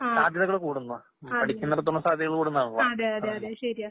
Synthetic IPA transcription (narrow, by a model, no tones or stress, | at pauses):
aːd̪ʱjɐðɐɣɐɭkuːɽunːu | pɐʈʰikʲːunːɐɾet̪̬oɳːɐsaːd̪ʱjɐɣɐɭkuːɽunːaːɳuɭːoɐðeɐeɐeɕɐɾija